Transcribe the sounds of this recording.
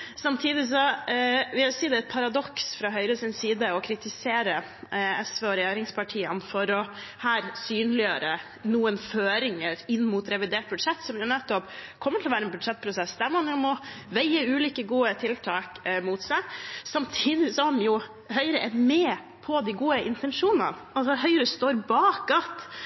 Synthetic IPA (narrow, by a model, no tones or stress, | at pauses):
sɑmt̪ʰiːd̪ɪs̬ɔʋɪsiːd̪ɛæɪt̪̚pʰɑɾɑd̪ɔksfɾɑɦœʏɾəsɪnsiːd̪əɔkʰɾɪt̪ɪseːɾə | ɛsʋeːɔɾɛjeːɾɪŋspʰɑʈʰiːənfɔɾɔhæːɾsyːnlɪjøːɾə | nuːənføːɾɪŋəɾɪnːmʊt̪ɾɛʋɪd̪eːʈ̚bʉd̪ʂɛt̪ːsɔmjʊnɛt̪ːɔpkʰɔmːət̪ʰɪlɔʋæːɾɛnbʉd̪ʂɛt̪̚ːpʰɾʊsɛsd̪æmɔhɑnjʊmɔʋɛɪəʉːliːkəɡuːət̪ʰɪlt̪ʰɑːkmut̪sæɪsɑmt̪ʰiːd̪ɪsɔhɑmjʊ | hœʏɾəʔɛɾmɛː | pʰɔd̪ɪɡuːəʔɪnt̪ɛnʂuːnɑ̰n | ɑlsɔhœʏɾəst̪oːɾbɑːkɑt̪